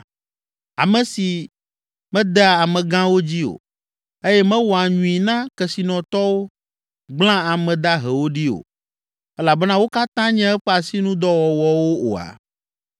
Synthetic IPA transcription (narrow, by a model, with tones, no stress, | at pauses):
a̰˨mɛ̃˨si˨ | mɛ̃˦d̪ɛ˦a˨a˨mɛ̃˨ɡã˦wo˦d͡ʑi˦o̰˨ | e˦jɛ˦mɛ̃˦wɔ˨a˨ɲũ˨i˨nã˦kɛ˨si˨nɔ̃˨t̪ɔ˦wo˦ | ɡ͡blã˦a˨mɛ̃˨d̪a˦ɦe˨wo˦ɖi˦o̰˨ | ɛ˦la˨bɛ˦nã˦wo˦ka˦t̪ã˦ɲɛ̃˦ɛ˦ɸɛ˦a˨si˦nũ˦d̪ɔ˦wɔ˨wɔ˨wo˦o̰˨a̰˨